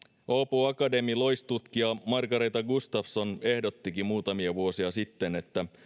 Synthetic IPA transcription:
oːpuɑkɑde̞milo̞jst̪ut̪kiɑmɑrɡɑɾe̞jt̪ɑɡust̪ɑfso̞ne̞hdo̞t̪ːikimuːt̪ɑmiɑʋuo̞siɑsit̪ːe̞ne̞t̪ːæ

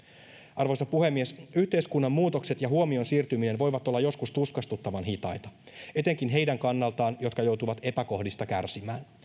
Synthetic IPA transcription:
ɑrʋo̞jsɑpuhe̞mːiesyht̪e̞jskunːɑmːuːt̪o̞kse̞t̪jɑɦuo̞mio̞nsiːrt̪ymine̞nʋo̞jʋɑt̪olːɑjo̞skust̪uskɑst̪ut̪ːɑʋɑnɦit̪ɑ̰jt̪ɑ | e̞t̪e̞ŋk̟inɦe̞jdæŋkɑnːɑlt̪ɑːnjo̞t̪̚kɑjo̞wt̪uʋɑt̪e̞pæko̞hdist̪ɑkærsimæːn

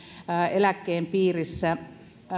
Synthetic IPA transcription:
elækːeːmpiːrisːæ

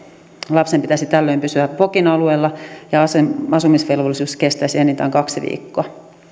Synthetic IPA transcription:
lɑpsempit̪æsit̪ælːøimpysyæpokinɑlueːlːɑjɑɑseɑsumisʋelʋolːˑisuːskest̪æsienːint̪æ̰ːŋkɑksiʋḭːkːoɑ

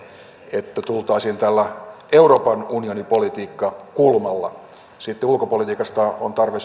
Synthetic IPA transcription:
et̪ːæt̪ult̪ɑisint̪ælːæ | euro̞ːpɑnunionipolit̪iːkːɑkulmɑlːɑ̰ | sit̪ːeulkopolit̪iːkɑst̪ɑont̪ɑrʋes

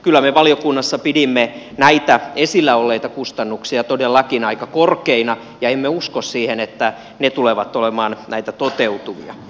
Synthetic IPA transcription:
kylːæmeʋɑliokunːɑsːɑpidimːe | næit̪æesilːæolːeit̪ɑkust̪ɑnːuksiɑt̪odelːɑkinɑikɑkorkeinɑ | jɑemːeuskossiːhenet̪ːæ | net̪uleʋɑt̪olemɑːnnæit̪æt̪ot̪eut̪uʋḭɑ̰

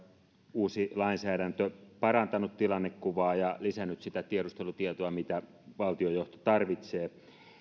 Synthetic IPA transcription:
uːsilɑinsæːɾænt̪øpɑrɑnt̪ɑnut̪t̪ilɑnːekkuʋɑːjɑlisænːyt̪sit̪æt̪ieɾust̪elut̪iet̪oɑmit̪æ | ʋɑlt̪iojoht̪o̥t̪ɑrʋit̪seː

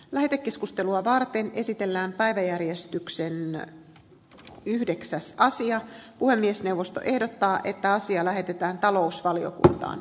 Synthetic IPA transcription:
læɦet̪ekːe̞skust̪e̞luɑʋɑrt̪e̞nʔe̞sit̪e̞lːæːmpæiʋæjærjest̪yksen | yhdeksæsɑsiɑpuhe̞mːiesne̞uwʋːo̞st̪o̰ʔe̞hdot̪ːɑːʔe̞t̪ːæɑsiɑlæɦe̞t̪et̪æːnt̪ɑlo̞usʋɑlio̰kṵnt̪ɑ̰ːn

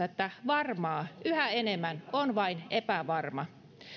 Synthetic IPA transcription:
et̪ːæʋɑrmɑːyhæenemːænonʋɑinepæʋɑrmɑ

